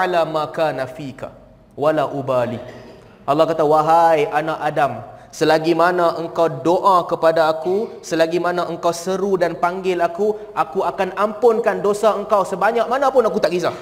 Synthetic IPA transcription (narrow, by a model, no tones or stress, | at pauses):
lamãkanafika̰ | walaʔubali | ʔɑlːɑhkat̪awaɦajʔanaʔadamsəlaɡimanãʔəŋkawdoʔakəpadaːkusəlaɡimanãʔəŋkawsəɾudanpaŋɡɪlaku | ʔakuakanampʊnkandosaəŋkawsəbaɲaʔ̚manãpʊnakut̪aʔɡisa